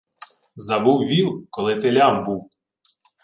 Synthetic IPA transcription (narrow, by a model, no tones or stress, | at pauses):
zɐbuwʋʲilˠkɔlˠɪt̪elʲambuw